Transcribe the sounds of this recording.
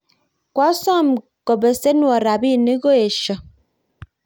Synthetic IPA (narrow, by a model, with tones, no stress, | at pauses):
kwa˨˦sɔ˦˨m˨ | ko˨be˨se˦nwɔ˨ɾa˨bi˦˨ni˦ɡo˦e˨ʃə˨